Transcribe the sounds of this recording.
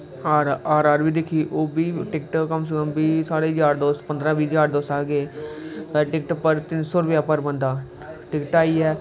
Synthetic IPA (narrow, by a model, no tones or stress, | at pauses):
əɾaːɾaːɾbiːd̪ekʰiːʔoːbiːʈɪkʈkəms̬əkəmbiːsaːɽeːɦəzaːɾd̪oːspənd̪ɾãːbiːzaːɾd̪oːsaːɡeː | ʈɪkʈpəɾt̪ɪnsoːɾʊpjaːpəɾbənd̪aː | ʈɪkʈaːiːɛː